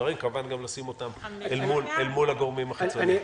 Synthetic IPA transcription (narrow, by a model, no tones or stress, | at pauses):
aʁimkavanɡamlasimo̞t̪amelmulelmulaɡoʁmimaχat͡son